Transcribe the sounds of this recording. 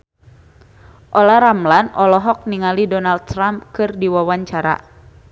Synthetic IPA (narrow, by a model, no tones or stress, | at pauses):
ʔɔlaɾamlanʔɔlɔɦɔk̚niŋalidɔnald̪̚t̪ɾamp̚kɨrdiwawaɲt͡ʃaɾa̰